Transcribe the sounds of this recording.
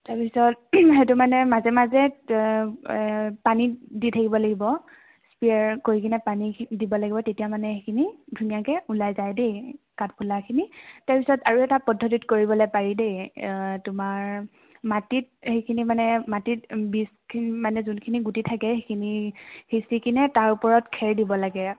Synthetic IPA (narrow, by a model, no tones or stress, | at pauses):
taɹpisɔtɦetumanɛmazɛmazɛ | paniditʰakibɔlaɡibɔ | spiaɹkoɹikʰinɛpanidibɔlaɡibɔtetijamanɛxekʰinidʱunijakɛʔulajzajdej | kat̚pʰulakʰinitaɹpisɔtaɹuɛtapɔdʱːɔtitkoɹibɔlojpaɹidejtʊmaɹ | matit̚hejkʰinimanɛmatitbiskʰinmanɛzunkʰiniɡutitʰakɛxekʰinihesikʰinɛtaɹupɔɹɔtkʰɛɹdibɔlaɡɛ